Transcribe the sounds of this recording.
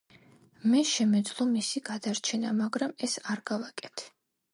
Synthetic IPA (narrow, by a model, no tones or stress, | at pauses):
mɛʃɛmɛd̪zlˠɔmisiɡad̪aɾt͡ʃʰɛnamaɡɾamɛsaɾɡavakʼɛt̪ʰɛ̥